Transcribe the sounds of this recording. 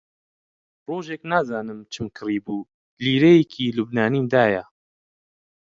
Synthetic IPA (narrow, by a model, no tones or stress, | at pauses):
roːʒeːknaːzaːnɨmt͡ʃʰɨmkʰɨriːbuː | liːɾejekʰiːlubnaːniːmd̪aːjɐ